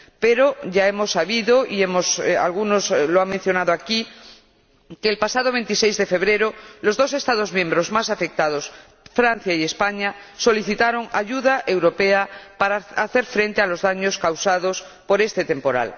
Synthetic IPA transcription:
peɾoʝaemo̞sːaβiðoʔiemosa̰lɣunosloaŋmẽn̟θjo̞naðoaki | keːlpasað̞oβ̞e̞nt̪isejzðe̞fe̞βɾeɾolo̞zðo̞s̬est̪aðo̞zmjẽ̞mbɾozmasafe̞k̚t̪að̞os | fɾan̟θjaie̞spaɲaso̞liθit̪aɾoŋaʝuðaʔe̞wɾo̞peapaɾaaθe̞ɾfɾe̞nt̪ealo̞zðaɲoskawsaðos | po̞ɾe̞st̪et̪e̞mpo̞ɾa̰l

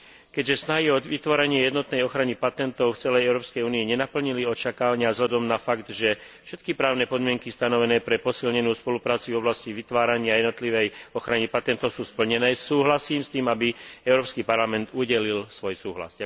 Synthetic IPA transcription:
kɛɟʒɛsnaɦiɔd̪ʋit̪ʋɔɾɛɲɪɛjɛd̪nɔt̪nɛjɔxɾanipat̪ɛnt̪ɔʊft͡sɛlɛjɛʊɾɔːpskɛjuːniɛɲɛnapl̩ɲiliɔt͡ʃakaːʋaɲɪazlʎad̪ɔmnafaɡd̪ʒɛ | fʃɛt̪kipɾaːʊnɛpɔd̪mɪɛŋkist̪anɔʋɛnɛːpɾɛpɔsilɲɛnuːspɔlupɾaːt͡suvɔblasciʋit̪ʋaːɾaɲɪajɛd̪nɔt̪liʋɛjɔxɾanipat̪ɛnt̪ɔʊsuːspl̩ɲɛnɛːsuːɦlasiːmst̪iːmabiɛʊɾɔːpskipaɾlamɛnd̪uɟɛlilsʋɔjsuːɦla̰zɟa

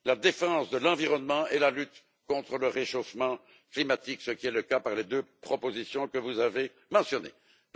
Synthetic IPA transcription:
lad̪efɑ̃sd̪əlɑ̃viʁɔnmɑ̃ʔelalyt̪ | kɔ̃t̪χələʁeʃofmɑ̃ | klimat̪iksəkʲiɛləkapaʁled̪øpχɔpozisjɔ̃kəvuzave | mɑ̃sjɔnḛ

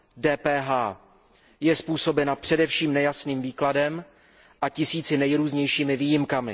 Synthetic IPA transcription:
dɛːpɛːɦaː | jɛspuːso̞bɛnapr̥ɛdɛfʃiːmnɛjasniːmviːkladɛm | ʔacɪsiːt͡sɪnɛjɾuːzɲɛjʃiːmɪviːjɪmkamɪ

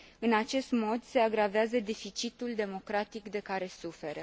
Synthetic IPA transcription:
ɨnat͡ʃe̞st̪mo̞d̪se̞aɡɾaveazəd̪e̞fit͡ʃit̪uld̪e̞mo̞kɾat̪ikd̪e̞kaɾe̞sufe̞ɾə

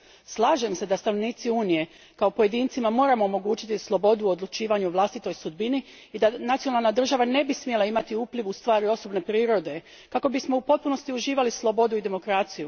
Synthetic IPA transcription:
slˠaːʒe̞mse̞d̪ast̪anoʋniːt̪siuːnije̞ | kaopo̞je̞d̪iːnt̪simamo̞ːɾamo̞ːmo̞ɡuːt͡ʃit̪islˠo̞bo̞d̪uod̪lˠut͡ʃiːʋaɲuʋlˠast̪it̪o̞jsud̪̚bini | id̪anat̪sio̞nalˠnad̪r̩ʒaʋane̞bismje̞laimat̪iuːpliʋust̪ʋaːɾio̞so̞bne̞pɾiːɾo̞d̪e̞ | kako̞bismo̞upo̞t̪̚puno̞st̪iuʒiːʋalislˠo̞bo̞d̪uid̪e̞mo̞kɾat̪siju

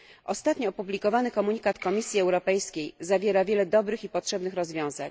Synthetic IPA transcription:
ʔɔst̪at̪ɲɔɔpublʲikɔvanɘkɔmuɲikat̪kɔmʲisʲjiɛwɾɔpɛjskʲejzavʲjɛɾavʲjɛlɛd̪ɔbɾɘxipɔtʂɛbnɘxɾɔzvʲjɔ̃w̃za̰ɲ

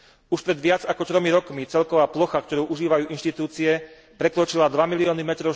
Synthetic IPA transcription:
uʃpɾɛd̪ʋɪad͡zakɔt̪ɾɔmiɾɔkmit͡sɛlkɔʋaːplɔxakt̪ɔɾuːʔuʒiːʋajuːʔinʃt̪it̪uːt͡siɛ | pɾɛkɾɔt͡ʃilad̪ʋamiliɔːnimɛt̪ɾɔʊ

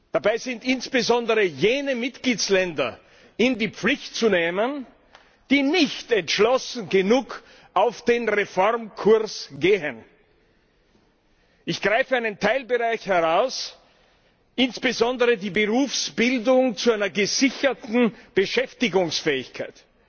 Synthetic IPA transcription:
d̥abaɪzɪntɪnsb̥əzɔndəʁəjeːnəmɪtɡ̥liːt͡slɛndɐ̰ | ɪndiːp͡flɪçtt͡suneːmən | d̥iːnɪçtɛntʃlɔsn̩ɡənuːk | ʔaʊfd̥eːnʁefɔʁmkʰʊɐsɡ̥eːən | ʔɪçɡ̥ʁaɪfəaɪnəntʰaɪlbəʁaɪçhɛʁaʊs | ʔɪnsb̥əzɔndəʁədiːbəʁuːfsb̥ɪldʊŋt͡suaɪnɐɡəzɪçɐtn̩b̥əʃɛftɪɡʊŋsfɛːɪçkʰaɪt

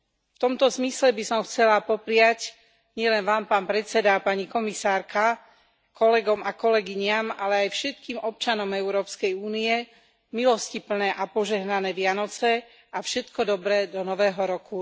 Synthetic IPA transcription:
ft̪ɔmt̪ɔzmislɛbisɔmxt͡sɛlapɔpɾɪac | ɲɪɛlɛnʋaːmpaːnpɾɛt͡sɛd̪apaɲikɔmisaːɾka | kɔlɛɡɔmakɔlɛɡiɲɪamalɛajfʃɛt̪kiːmʔɔp̚t͡ʃanɔmɛʊɾɔːpskɛjuːniɛ | milɔscipl̩nɛːʔapɔʒɛɦnanɛːʋɪanɔt͡sɛ | afʃɛt̪kɔd̪ɔbɾɛːd̪ɔnɔʋɛːɦɔɾɔku

